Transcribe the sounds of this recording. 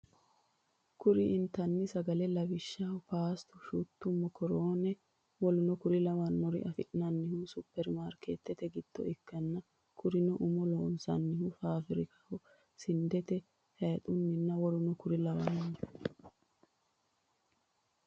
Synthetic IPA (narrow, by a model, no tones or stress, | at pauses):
kʊɾɪʔɪnt̪ɐnːɪsɐɡɐlɛlɐbɪʃːaʊpaːst̪ʊʃut̪ːʊmːɔkʰɔɾoːnɛ | wɔlʊnɔkʊɾɪlɐwɐnmɔɾɪ̰ʔɐfɪ̰ʔnɐnːɪhʊsʊpːɛɾmaːɾkeːt̪ːɛt̪ɛɡɪd̪̥ːɔ̰ɪkːɐnːɐ | kʰʊɾɪnɔʔʊmɔloːnsɐ̰nːɪhʊfaːfɪɾɪkɐ̥hɔ | sɪnd̪ɛt̪ɛ | hɛːt̪ʼʊnːɪnːɐwɔlʊnɔkʊɾɪlɐwɐnɔn